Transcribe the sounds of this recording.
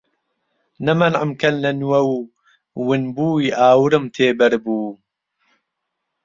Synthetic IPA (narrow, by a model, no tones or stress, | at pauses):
nɐmɐnʕəmkʰɐnlɐnwɐw | wɨnbuːiʔaːwɨɾɨmt̪ʰeːbɐɾbuː